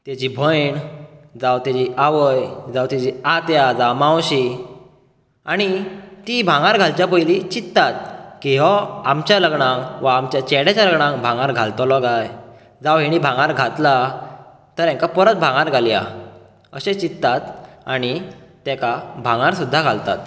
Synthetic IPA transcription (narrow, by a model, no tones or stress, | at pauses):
t̪ed͡ʑibʱəjɳd͡zawt̪ad͡ʑiaʋəjd͡zawt̪ad͡ʑiat̪jad͡zamãwɕi | aɽ̃it̪ibʱãɡaɾɡʱalt͡ɕjapəjlit͡ɕit̪ːat̪̚kĩɦɔamt͡ɕjaləɡɳãŋʋaːmt͡ɕjat͡ɕɛɽat͡ɕaləɡɳãŋkbʱãŋaɾɡʱalt̪ɔlɔɡaj | d͡zawɦiɽ̃ibʱãŋaɾɡʱat̪la | t̪əɾɛ̃ŋkapɔɾət͡s̪bʱãŋɡaɾɡʱalia̰ | əɕẽt͡ɕit̪ːat̪aɽ̃it̪ɛkabʱãŋaɾsud̪ʱːaɡʱalt̪a̰t̪̚